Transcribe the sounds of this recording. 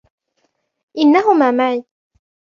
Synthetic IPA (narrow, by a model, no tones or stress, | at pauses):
ʔɪnːaɦʊmaːmaʕiː